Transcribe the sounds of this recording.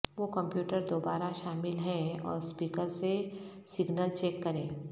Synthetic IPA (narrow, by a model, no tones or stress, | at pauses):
ʋokɐ̃mpjuːʈəɾd̪oːbaːɾaʃaːmɪlɦɛ̃ɔ̰ːɾspiːkəɾse | sɪɡnəlt͡ʃɛːkːɐɾẽː